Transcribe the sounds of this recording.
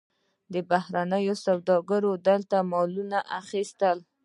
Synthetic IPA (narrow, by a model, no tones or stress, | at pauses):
d̪əbahɾanəjosawd̪ɑɡaɾod̪əlt̪amɑlunaʔaxist̪əl